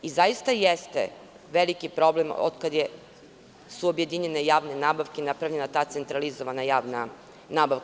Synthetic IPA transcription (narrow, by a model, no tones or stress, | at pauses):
izajist̪ajest̪ḛ | ʋelikipɾo̞blemo̰d̪kad̪je | suobje̞d̪iɲe̞ne̞jaːʋne̞naːbaʋkeinapɾaʋʎe̞nat̪aːt̪se̞nt̪ɾalizoʋanajaːʋna | naːbaʋk